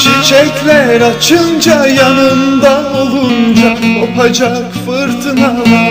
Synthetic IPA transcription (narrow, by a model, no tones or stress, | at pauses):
t͡ʃʰit͡ʃʰɛkʲlʲæɾat͡ʃʰɯnd͡ʒajanɯnd̪ao̞lˠund͡ʒaopʰad͡ʒakfɯɾt̪ʰɯnava